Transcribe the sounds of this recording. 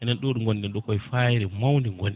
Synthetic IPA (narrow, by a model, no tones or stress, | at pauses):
ʔɛnɛnɗoɗuŋɡonɗɛnɗɔkɔjfajiɾɛmawndiŋɡoni